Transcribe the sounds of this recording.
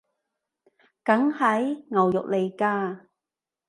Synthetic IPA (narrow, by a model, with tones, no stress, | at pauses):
kɐ˨˥ŋhɐ˨˥jŋɐ˨˩wjʊ̰˨k̚le˨jkaː˧